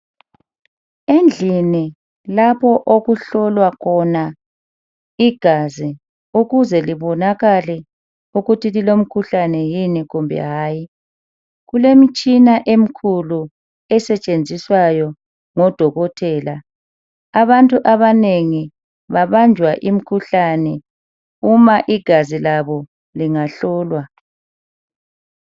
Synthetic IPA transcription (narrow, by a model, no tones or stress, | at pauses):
end͡ɮʱini | lapʰɔʔoɣuɬɔlwakʰɔna | iɡ̥ʱazi | uɣuzɛliβɔnaɣalɛ | uɣutʰililom̩kʰuɬanɛjiniɣumbʱɛ̰ɦaːji | ɣulemit͡ʃʼinaʔem̩kʰulu | ɛsɛt͡ʃʼend͡zʱiswajɔ | ŋɔd̥ʱɔɣɔtʰɛːla | aβantʼuʔaβaneŋi | βaβand͡ʒʱwaʔim̩kʰuɬanɛ | umaʔiɡ̥ʱazilaβɔ | liŋaɬɔːlwa